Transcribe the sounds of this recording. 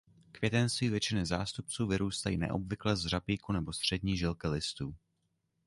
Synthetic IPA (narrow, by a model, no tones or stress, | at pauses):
kvjɛt̪ɛnst̪viːvjɛt͡ʃɪnɪzaːst̪up̚t͡suːvɪɾuːst̪ajḭːnɛ̰ʔo̰bvɪklɛzrapiːkunɛbo̞st̪r̝̥ɛdɲiːʒɪlkɪlɪst̪uː